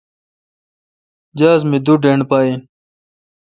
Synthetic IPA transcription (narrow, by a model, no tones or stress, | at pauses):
d͡ʑaːzmid̪uɖeɳɖpaːi